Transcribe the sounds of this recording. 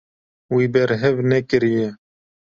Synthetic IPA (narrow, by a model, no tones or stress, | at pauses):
wibɛɾɦɛvnɛkɨɾijɛ